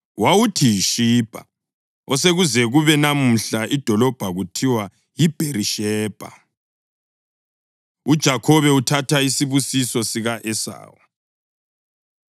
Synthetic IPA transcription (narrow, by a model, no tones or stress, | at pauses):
wawutʰijiʃiːb̥ʱa̰ | ɔseɣuzɛɣuβɛnam̩ɬaʔid̥ʱɔlɔb̥ʱaɣutʰiwa | jib̥ʱeriʃɛːb̥ʱa̰ | ud̥ʒ̥ʱakʰɔβɛutʰatʰaisiβusisɔsiɣaʔɛsa̰ːwɔ